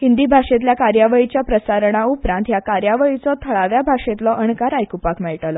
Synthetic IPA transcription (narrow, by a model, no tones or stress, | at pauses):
ɦhind̪ibʱaʂet̪ljakaɾjaʋəit͡ɕjapɾəsaɾɳ̃aupɾãnt̪jakaɾjaʋəit͡sɔt̪ʰəɭaʋjabʱaʂẽt̪lɔʔəɳkaɾajkupakmɛɭʈalɔ